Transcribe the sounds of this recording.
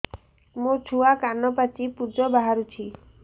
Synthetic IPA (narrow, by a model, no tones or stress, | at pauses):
mũt͡ʃʰuakanɔpat͡ʃipud͡ʒɔbaɦaɾut͡ʃʰi